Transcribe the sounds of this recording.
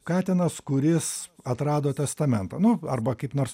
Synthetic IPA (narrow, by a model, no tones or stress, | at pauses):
kɑːt̪ʲɪnɐskʊɾʲɪsɐt̪ɾɑːd̪oːt̪ʲɛst̪ɐmʲɛnt̪ɐːnʊɐrbɐkɐɪpnoːrs